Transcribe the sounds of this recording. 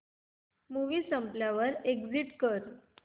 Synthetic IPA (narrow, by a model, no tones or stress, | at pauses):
muʋiːsəmpljaʋəɾeɡd͡ziʈkəɾ